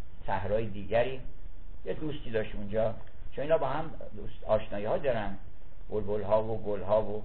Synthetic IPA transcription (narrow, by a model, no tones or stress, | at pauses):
sæhɾɒːjed̪iːɟæɾiː | jed̪ust̪iːd̪ɒʃt̪und͡ʒɒː | t͡ʃʰoniːnɒːbɒːhæm | d̪ust̪ɒːʃnɒːjihɒːd̪ɒɾæn | b̥olbolɦɒːvoɡolɦɒːvo